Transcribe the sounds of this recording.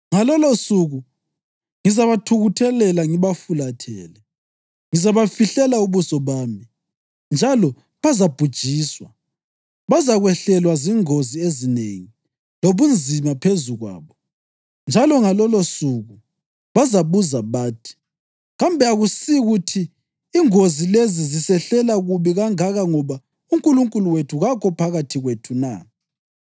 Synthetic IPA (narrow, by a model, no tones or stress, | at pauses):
ŋalɔlosuɣu | ŋizaβatʰuɣutʰɛlɛlaŋiβafulatʰɛ̰ːlɛ | ŋizaβafiɬɛlauβusɔβaːmi | nd͡ʒʱalɔ | βazab̥ʱud̥ʒ̥ʱiːswa | βazaɣwɛɬɛlwaziŋoziezinḛŋi | loβund͡zʱimapʰezuɣwa̰ːβɔ | nd͡ʒʱalɔŋalɔlosuɣu | βazaβuzaβaːtʰi̥ | ɣambʱɛaɣusiɣutʰiː | ŋozilezizisɛɬɛlaɣuβiɣaŋaɣaŋɔβa | uŋkʼuluŋkʼuluwetʰuɣakʰɔpʰaɣatʰiɣwetʰuna̰